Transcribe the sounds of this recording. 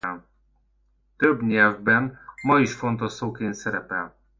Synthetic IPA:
l | t̪øbɲɛlvbɛnmɒiʃfo̞nt̪osoːkeːnt̪sɛɾɛpɛl

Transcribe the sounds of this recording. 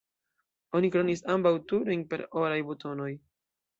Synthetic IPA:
o̞nikɾonisambawtuɾinpe̞ɾo̞ɾajbuto̞no̞j

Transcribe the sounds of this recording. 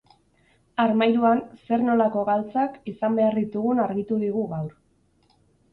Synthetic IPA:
aɾmajɾuanse̞ɾno̞lako̞ɣalt͡sakisambe̞aɾðit̪uɣ̞unaɾɣit̪uðiɣ̞uɣawɾ

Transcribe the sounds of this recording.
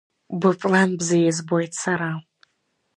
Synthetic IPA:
bɨpʼlambzɨjɛzbojtʰsaɾal

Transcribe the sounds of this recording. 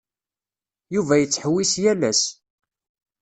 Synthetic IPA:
juvæjət͡sːħwːisjælæs

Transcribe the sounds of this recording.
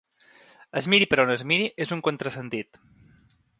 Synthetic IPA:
əzmiɾipəɾonəzmiɾiʔezuŋkont̪ɾəsənt̪it̪

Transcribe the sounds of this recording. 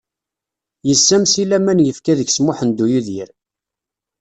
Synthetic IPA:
jəsːæmsilæmænjəfkæðəçsmʊħənd̪ːujuðiɾ

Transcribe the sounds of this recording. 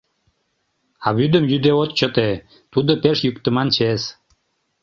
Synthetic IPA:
ɑβyd̪əmjyd̪eot̪̚t͡ɕət̪e | t̪ud̪əpeʃjykt̪ə̆mɑnt͡ɕes

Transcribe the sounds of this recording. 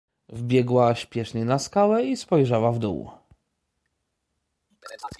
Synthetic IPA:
vbʲjɛɡwaɕpʲjɛʂɲɛnaskalɛispɔjʐawavd̪ṵw

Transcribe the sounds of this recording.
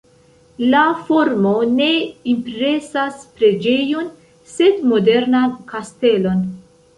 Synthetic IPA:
lafo̞ɾmone̞impɾe̞saspɾe̞d͡ʒe̞jo̞n | se̞dmo̞de̞ɾnankaste̞lo̞n

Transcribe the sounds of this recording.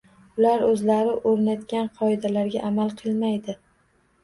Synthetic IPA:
ʊlaɾɵzlaɾɪʔoɾnat̪kʲanqʰɒɪd̪alaɾɡʲaʔamalˠqʰɨlˠmajd̪ɪ

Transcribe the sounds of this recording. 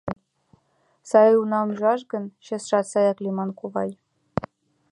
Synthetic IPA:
sɑlʲiunɑumʲʐɑʂ̬ɡɤ̆nɕɘ̆sʂɑt̪sɑjɑklʲimɑnkuʋɑ̰j

